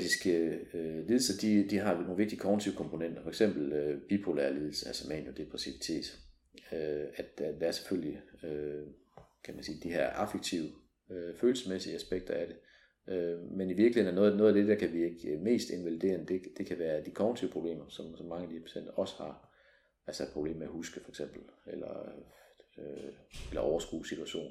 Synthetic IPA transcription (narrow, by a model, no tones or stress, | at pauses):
d̥isɡ̥əliðˠl̩sɐd̥id̥iɦɑ̈noːn̩ʋe̝ɡ̥̚d̥iə̥kʰɒʁnt͡sʰiʊəkʰɒ̽mpʰo̝nen̰d̥ɐfɒ̽eɡ̥sem̰b̥l̩øb̥ipʰo̝læɐliːð̞ˠl̩səælsɐmæ̰njod̥e̝pʰʁasiʋit͡sʰe̝̰ːd̥ | øæd̥d̥ææɐse̥føl̰liø | kʰæmænsiːd̥ihḛɐ̰ʔæfeɡ̥̚t͡sʰiʊə | øføːl̩sə̥smesiəæsb̥eɡ̥̚d̥ɐæɾ̥e̝ | ʔømeniʋiɐɡ̥lihe̝ðn̩nɐnɔ̽ːð̩ˠnɔ̽ðˠæd̥e̝d̥æɐ̰kʰæʋieɡ̥me̝̰ːsd̥e̝nʋælid̥e̝̰ːɐnd̥e̝d̥e̝kʰæʋæːɐd̥ikʰɒʊn̩t͡sʰiʊ̰pʰʁo̝b̥e̝̰ːmɐsɒ̽msɒ̽mːɑ̈ŋəædihæɐpʰæ̥sen̰d̥ɐɒ̽sə̥hɑ̈ | ælsɒed̥̚pʰʁo̝b̥le̝̰ːmeæhusɡ̥əfɒ̽e̥ɡ̥sem̰b̥l̩elɐ | øelɐʔɒʊɐsɡ̥ṵːsit͡sʰuæɕo̝̰ːn